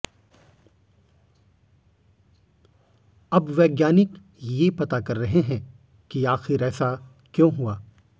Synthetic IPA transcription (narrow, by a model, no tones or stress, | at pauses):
ɐbʋɛːɡjaːnɪk | jepɐt̪akɐɾːɐɦeɦɛ̃ | kiaːxɪɾɛːsa | kjõːɦuaː